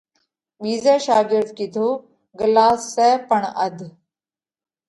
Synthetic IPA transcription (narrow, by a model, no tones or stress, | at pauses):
ɓiːzɛːʃaːɡɪɾd̪kɪd̪ʱoː | ɡəlaːsːɛːpəɳə̰d̪ʱ